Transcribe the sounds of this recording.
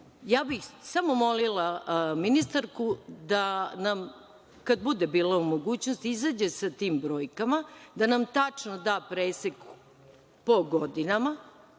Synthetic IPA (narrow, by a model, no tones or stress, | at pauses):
jaːbixsamo̞mo̞lilˠaminist̪aɾkud̪anam | kad̪bud̪ebiːlˠaumo̞ɡuːt͡ɕnost̪izaːd͡ʑe̞sat̪iːmbɾo̞ːjkamad̪anamt̪at͡ʂno̞d̪aːpɾeːsek | poɡod̪inama